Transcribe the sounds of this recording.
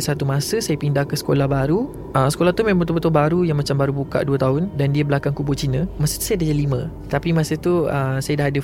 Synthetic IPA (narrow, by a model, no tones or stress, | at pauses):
sat̪umãsəsajapindahkəsə̥kolahbaɾu | əsə̥kolaht̪umẽmət̪upət̪ʊbaɾujaŋmat͡ʃambaɾubuka̰ʔduət̪aɦʊndandiəbəlakaŋkubut͡ʃinə̃masət̪u̥sajadad͡ʒalimə̃ | t̪apimãsət̪uəsajadaɦadə